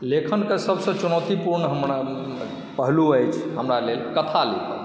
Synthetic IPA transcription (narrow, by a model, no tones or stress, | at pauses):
lekʰənkesəbsə̃t͡ʃunət̪ipuɾnɦəmɾ | pəɦluəjt͡ʃʰɦəmɾalelkət̪ʰalukə̰